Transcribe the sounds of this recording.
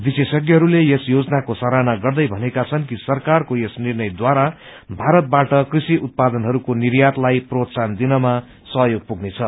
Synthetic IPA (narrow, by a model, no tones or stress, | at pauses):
bisesʌɡjʌɦʌɾulejesjod͡zʌnakosaɾanaɡʌrd̪ʌjbʱʌnekat͡sʰʌnkisʌrkarkojesnirnʌjd̪waɾa | bʱaɾʌt̪̚baʈʌkrisiut̪̚pad̪ʌnɦʌɾukonirjat̪lajprot̪sand̪inʌma | sʌɦjoɡ̚puɡnet͡sʰʌ